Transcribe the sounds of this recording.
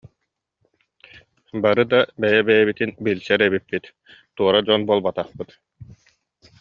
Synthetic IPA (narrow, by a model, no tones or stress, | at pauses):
baɾɯd̪abɛjɛbɛjɛbit̪inbilʲsɛɾɛβipːit̪ | t̪uɔɾad͡ʑɔnbuɔlˠbat̪aχpɯt̪